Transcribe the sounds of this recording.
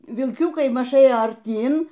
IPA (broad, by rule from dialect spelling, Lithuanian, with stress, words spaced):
ʋʲɪlʲˈkʲʊkɐɪ ˈmɐʃ ˈeːjoː ɐrʲˈtʲiːn